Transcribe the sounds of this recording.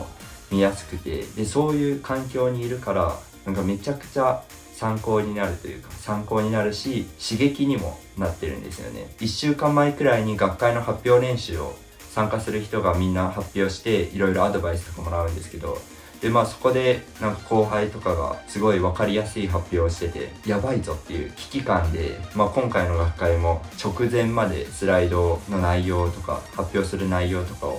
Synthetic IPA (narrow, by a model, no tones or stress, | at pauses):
mʲijasɨ̥kɯ̟t̪e̞̰d̪e̞so̞ːjɯ̟ːkãŋkʲo̞ːɲ̟iːɾɯ̟kaɾa | nãŋkame̞t͡ɕakɯ̟̥t͡ɕa | sãŋko̞ːɲ̟inaɾɯ̟t̪o̞̰jɯ̟̰ːkḁsãŋko̞ːɲ̟inaɾɯ̟ɕiɕiɡe̞kʲiɲ̟imo̞̰ | nat̪ːe̞ɾɯ̟̰̃nd̪e̞sɨjo̞̰ne̞̰iɕːɨːkãmːaikɯ̟ɾaiɲ̟iɡakːaino̞hapʲːjo̞ːɾẽ̞ɰ̃ɕɨːo̞̰ | sãŋkasɨɾɯçi̥t̪o̞ɡamʲĩnːaɦapʲːjo̞ːɕi̥t̪e̞iɾo̞iɾo̞ad̪o̞baisɨ̥t̪o̞kamo̞ɾaɯ̟̃nd̪e̞sɨ̥ke̞d̪o̞̰ | d̪̥e̞maːso̞̥ko̞d̪e̞nãŋkḁkʰo̞ːɦait̪o̞kaɡa̰sɨɡo̞iβakaɾʲijasɨiɦapʲjo̞ːɕi̥t̪e̞t̪e̞̰jabaizo̞t̪ːe̞jɯ̟ːkʲi̥kʲikãnd̪e̞̰maːkõ̞ŋkaino̞ɡakːaimo̞t͡ɕo̞kɯ̟zẽ̞mːad̪e̞̰sɨɾaid̪o̞no̞naijo̞ːt̪o̞ka̰hapʲːjo̞ːsɨɾɯ̟naijo̞ːt̪o̞ka̰o̰